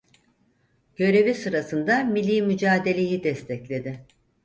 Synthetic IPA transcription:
ɟ̥ø̞ɾe̞visɯɾasɯnd̪amilʲːiːmyd͡ʒaːd̪e̞lʲe̞jid̪ɛst̪ʰɛclʲe̞d̪ɪ

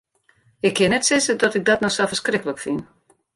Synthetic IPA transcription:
ɪkʰːɪənɛtsɪzədɔtɪk̚dɔtnɔxsafəskrɪkələkfin

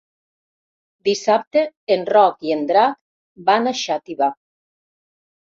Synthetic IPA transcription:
d̪isap̚t̪eenrɔkiend̪ɾak | banaʃat̪iβa

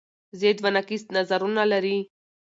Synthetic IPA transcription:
zed̪vanakist̪nazaɾunalɛɾi

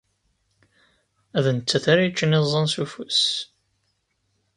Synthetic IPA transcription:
æðənt͡sːæθaɾajt͡ʃːənezˤːɑnsufus

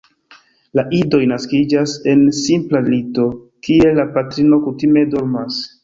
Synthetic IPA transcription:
laʔido̞jnaskid͡ʒase̞nsimplalito̞ | kielapatɾino̞kutime̞doɾmas

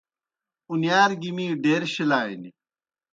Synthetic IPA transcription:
unjaːɾɡimiːɖeːɾɕilaːini

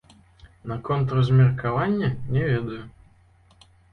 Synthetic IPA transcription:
nɐkɔnt̪rɐzmʲɪrkavanʲːɛnʲɛvʲed̪ɐjʊ

